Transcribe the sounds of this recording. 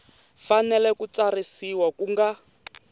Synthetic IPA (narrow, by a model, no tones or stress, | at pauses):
fanɛlɛkut͡sarisiwakuŋɡa